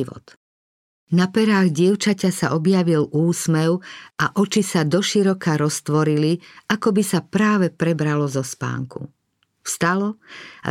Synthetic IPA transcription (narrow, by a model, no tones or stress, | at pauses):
ʋɔ̰t̪ | napɛɾaːɣɟɪɛʊt͡ʃacasa̰ɔbjaʋiluːsmɛʊaʔɔt͡ʃisad̪ɔʃiɾɔkaɾɔst̪ʋɔɾiliakɔbisapɾaːʋɛpɾɛbɾalɔzɔspa̰ːŋkṵ | fst̪alɔa̰